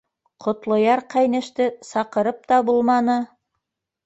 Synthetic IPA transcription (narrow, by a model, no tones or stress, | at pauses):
qʰŏt̪lˠŏjɑɾqæjnɘ̆ʃt̪ɘsɑqɤ̆ɾɤp̚t̪ɑbulˠmɑnɤ